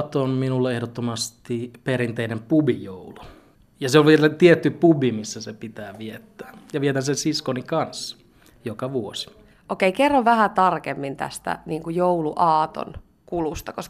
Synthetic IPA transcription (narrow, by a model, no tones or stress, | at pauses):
t̪onminulːeehdot̪ːomɑst̪iperint̪einempubijoulu | jɑseolʋielæt̪iet̪ːypubimisːæsepit̪æːʋiet̪ːæ̥ːjɑʋiet̪ænsensiskonikɑnsːɑ | jokɑʋuosi̥ | ʔokeikerːoʋʋæhæt̪ɑrkemːint̪æ̰st̪æ̰niːŋkujouluʔɑːt̪o̰n | kulust̪ɑkos